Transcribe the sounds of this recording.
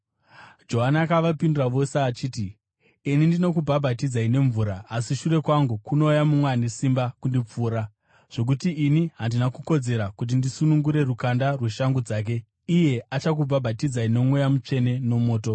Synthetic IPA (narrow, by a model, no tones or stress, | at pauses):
d͡ʒo̞ɦanakaʋapinduraʋo̞seat͡ʃiːti | inindino̞kubʱabʱatid͡zaine̞ɱvuːɾaːsiʃure̞kwaŋɡukuno̞ːjamumwenesimbakundip͡fuːɾa | ʐ̥o̞k̬utiːniɦandinakuko̞d͡ze̞ɾakut̬indisunuŋɡuɾe̞rukandarweʃaŋɡud͡zaːk̬e̞ | ije̞at͡ʃak̬ubʱabʱatid͡zaino̞mwe̞jamut͡ʂe̞ne̞no̞mo̞ːto̞